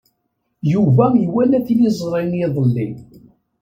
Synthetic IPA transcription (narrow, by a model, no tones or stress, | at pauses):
juvæjwænæθilizˤɾˤɪnjeðˤəlːḭ